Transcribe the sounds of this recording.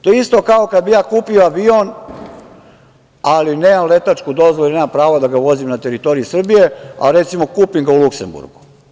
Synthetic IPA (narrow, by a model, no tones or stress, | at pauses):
t̪ojeist̪o̞kaokad̪̚bijaːkuːpioaʋion | alineːmamle̞t̪at͡ʃkud̪o̞zʋoluilneːmampɾaːʋod̪aɡaʋo̞zimnat̪eɾit̪o̞ɾijusr̩bije̞a̰ɾet̪simo̞kuːpiŋɡaulˠuksḛmbṵɾɡu